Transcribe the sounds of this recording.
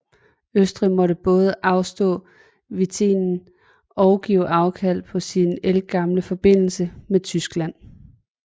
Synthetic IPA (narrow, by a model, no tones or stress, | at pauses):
øsd̥ʁimɒ̽ɾəb̥ɔ̽ːð̞ˠəʔɑ̈ʊsd̥ɔ̰̽ː | ʋit͡sʰḛːnn̩ | ɒ̽ʊɡ̥iʊʔɑ̈ʊkʰæl̰pʰɒ̽sinelɡ̥ɑ̈mləfɒ̽b̥e̝n̰l̩səmet͡sʰysɡ̥læn̰